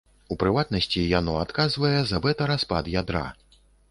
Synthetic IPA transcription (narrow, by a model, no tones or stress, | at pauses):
upɾɨvat̪̚nɐsʲt͡sʲijanɔat̪kazvɐjɛzɐbɛt̪ɐɾaspa̰d̪jad̪ɾa̰